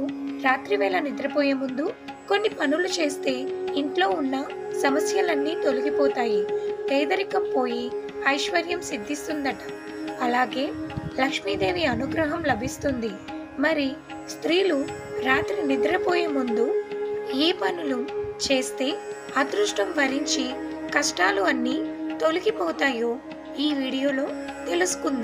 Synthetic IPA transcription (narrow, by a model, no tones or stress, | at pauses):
uɾaːt̪ɾiʋɛːlɐnid̪ɾɐpɔːjɐmund̪u | ko̞nːipɐnulut͡ʃe̞ːst̪e̞ːiɳʈlo̞ːunːɐ | sɐmɐsjɐlɐnːiːt̪o̞luɡipɔːt̪aːjit̪ɛːd̪ɐɾikɐmpo̞ːji | ɐjʃʋɐɾjɐmsid̪ʱːist̪und̪ɐʈɐ̥ | ɐlaːɡe̞ːlɐkʂmid̪e̞ːʋiɐnuɡɾɐɦɐmlɐbʱist̪und̪i | mɐɾi | st̪ɾiːlu | ɾaːt̪ɾinid̪ɾɐpoːjeːmund̪u | eːpɐnulut͡ʃe̞ːst̪e̞ː | ɐd̪ɾuʂʈɐmʋɐɾiɲt͡ʃikɐʂʈaːluɐnːiːt̪o̞luɡipɔːt̪aːjoː | iːʋiːɽijo̞ːlo̞ː | t̪e̞lusu̥kund̪i